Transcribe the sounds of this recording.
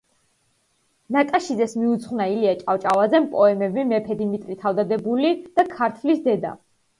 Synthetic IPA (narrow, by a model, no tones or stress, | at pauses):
nakʼaʃizɛsmiut̪sʰχnailiat͡ʃʼaft͡ʃʼavad̪zɛmpʼɔɛmɛbimɛpʰɛd̪imit̪ʼɾit̪ʰavd̪ad̪ɛbulid̪̥akʰaɾt̪ʰlisd̪ɛd̪a̰